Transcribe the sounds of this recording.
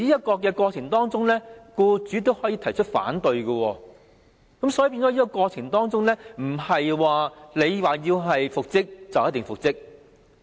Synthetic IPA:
iː˥jɐ˥t̚kɔː˧k̬ɛː˧kʷɔː˧t͡sʰɪ˨˩ŋt̪ɔː˥ŋt͡sʊ˥ŋlɛː˥kuː˧t͡syː˨˥t̪o˥whɔː˨˥jiː˧t̪ʰɐ˨˩jt͡ʃʰɵ˥t̚fa̰ː˨˥nt̪ɵ˧ɥkə˧wɔː˧ | kɐ˨˥msɔː˨˥jpiː˧nt͡sɔ˨˥iː˥kɔ˧kɔː˧t͡sʰɪ˨˩ŋt̪ɔː˥ŋt͡sʊ˥ŋlɛː˥m̩˨˩hɐ˨jwaː˨le˨˧jwaː˨˩jiː˧wɦɐ˨jfʊ˨k̚t͡sɪ˥k̚t͡sɐ˨wjɐ˥t̪ɪ˨˩ŋfʊ˨k̚t͡sɪ˥k̚

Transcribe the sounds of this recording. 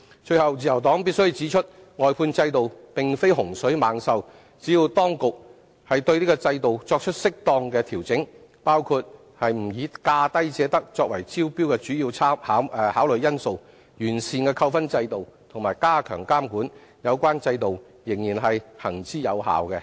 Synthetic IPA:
t͡ʃɵ˧ɥhɐ˨wt͡siː˨jɐ˨˩wt̪ɔː˨˥ŋpiː˥t̚sɵ˥ɥt͡siː˨˥t͡ʃʰɵ˥t̚ | ŋɔː˨jpʰuː˧nt͡sɐ˧jt̪o˨wpɪ˨ŋfe˥jɦʊ˨˩ŋsɵ˨˥ɥmaː˨˧ŋsɐ˧w | t͡siː˨˥jiː˧wt̪ɔː˥ŋkʊ˨k̚ | hɐ˨jt̪ɵ˧ɥliː˥kɔ˧t͡sɐ˧jt̪o˨wt͡sɔː˧k̚t͡ʃʰɵ˥t̚sɪ˥k̚t̪ɔː˧ŋkɛː˧t̪ʰiː˨˩wt͡sɪ˨˥ŋ | paː˥wkʰuː˧t̚ | hɐ˨jm̩˨˩jiː˨˧kaː˧t̪ɐ˥jt͡sɛː˨˥t̪ɐ˥k̚t͡sɔː˧k̚wɐ˨˩jt͡siː˥wpi˥wkɛ˧t͡ʃyː˨˥ji˧wt͡sʰaː˥mhaː˨˥whaː˨˥wlɵ˨˧jɐ˥nso˨˧w | jyː˨˩nsiː˨nkɛː˧kʰɐ˧wfɐ˥nt͡sɐ˧jt̪o˨wt̪ʰʊ˨˩ŋmaː˨jkaː˥kʰœ̰ː˨˩ŋkaː˥mkuː˨˥n | jɐ˨˧wkʷaː˥nt͡sɐ˧jt̪o˨w | jɪ˨˩ŋjiː˨˩nɦɐ˨jhɐ˨˩ŋt͡siː˨˥jɐ˨˧wɦa̰ː˨wkɛ˧

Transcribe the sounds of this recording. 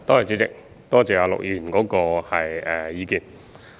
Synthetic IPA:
t̪ɔː˥t͡sa˨˩t͡siː˨˥t͡sɪ̰˨k̚ | t̪ɔː˥t͡sɛː˨˧aː˨˧lʊ̰˨k̚jyː˨˩nkɔː˨˥kɔː˧hɐ˨jɛ˨˩jiː˨˧kiː˨n

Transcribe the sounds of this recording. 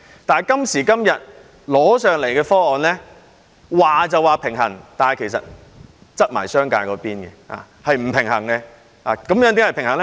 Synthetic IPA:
t̪aː˨jkɐ˥msiː˨˩kɐ˥mjɐ˨t̚ | lɔː˨˥sœː˨ŋle˨˩jkɛː˧fɔː˥ɔː˨˧nlɛː˥ | waː˨t͡sɐ˨waː˨pʰɪ˨˩ŋɦɐ˨˩ŋt̪aː˨nɐ˨jkʰe˨˩jsɐ̰˨t̚ | t͡sɐ˥t̚ma̰ː˨˩jsœː˥ŋka̰ː˧jkɔː˨˧˥piː˥nɡɛ̰˧a̰ː˨˧ | hɐ˨jm̩˨˩pʰɪ˨˩ŋhɐ˨˩ŋkɛ˧ | aː˨˧kɐ˨˦mjœː˨˥ŋt̪i˨˧˥hɐ˨jpʰɪ˨˩ŋhɐ˨˩ŋlɛ˥

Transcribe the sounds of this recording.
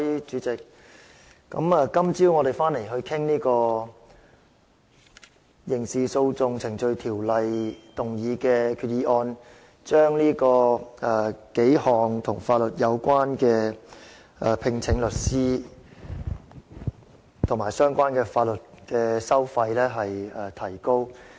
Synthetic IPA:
t͡ʃyː˨˥t͡sɪ˨k̚ | kːɐ̰˨˧˥mɛː˨˧kɐ˥mt͡siː˥wŋɔ˨˧d̪e˨˩jfaː˥nle˨˩jɦɵ˧ɥkʰɪ˥ŋniː˥kɔː˧ | jɪ˨˩ŋsiː˨so˧wt͡sʊ˧ŋt͡sʰɪ˨˩ŋt͡sɵ˧ɥt̪ʰiː˨˩wlɐ˨jt̪ʊ˨˩ŋjiː˨˧kɛː˧kʰyː˨t̚jiː˨˧ʔɔː˧n | t͡ʃœː˥ŋliː˥kɔː˧ɛ˨ke˨˥jhɔː˨˩ŋt̪ʰʊ˨˩ŋfaː˧t̚lɵ˨t̚jɐ˨˧wkʷwaː˥nkɛː˧ | ʔɛː˨˩pʰɪ˧ŋt͡sʰɪ˨˥ŋlɵ˨t̚siː˥ | t̪ʰʊ˨˩ŋmaː˨˩jsœː˥ŋkʷaː˥nkɛː˧faː˧t̚lɵ˨t̚kɛː˧sɐ˥wfɐ˧jlɛː˥ɦɐ˨jɛː˨t̪ʰɐ˨˩jko˥w

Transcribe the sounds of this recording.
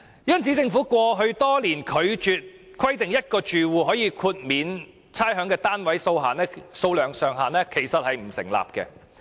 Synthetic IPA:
jɐ˥nt͡sʰiː˨˥t͡sɪ˧ŋfuː˨˥kʷɔː˧ɦɵ˧ɥt̪ɔː˥liː˨˩nkʰɵ˨˧ɥt͡ʃyː˨˧t̚ | kʰwɐ˥jt̪ɪ˨ŋjɐ˥t̚kɔː˧t͡ʃyː˨wuː˨˧ɦɔː˨˥jiː˧kʰuː˧t̚miː˨˧n | t͡sʰaː˥jɦœː˨˥ŋkɛː˧t̪aː˥nwɐ˨˥jso˧wɦaː˨˩nɛː˥so˧wlœː˨˩ŋsœː˨ŋɦaː˨˩nɛː˥kʰe˨˩jsɐ˨t̚hɐ˨jm̩˨˩sɪ̰˨˩ŋla̰ː˨p̚kɛ̰ː˧

